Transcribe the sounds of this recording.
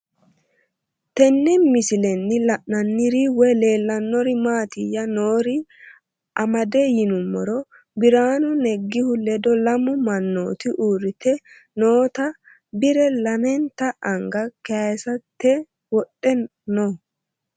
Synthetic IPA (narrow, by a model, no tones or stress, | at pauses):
t̪ɛnːɛmɪsɪlɛnːɪlɐʔnɐnːɪɾiwɔle̞ːlːɐnːɔɾɪmaːt̪ɪjɐnoːɾɪ | ʔɐmɐd̪ɛjɪnʊmːɔɾɔ | bɪɾaːnʊnɛɡːɪhʊlɛd̪ɔlɐmʊmɐnːoːt̪ɪʔuːɾɪt̪ɛ | noːt̪ɐ | bɪɾɛlɐmɛnt̪ɐʔɐŋɡɐkɛɐjsɐt̪ːɛ | wɔɗːɛ | no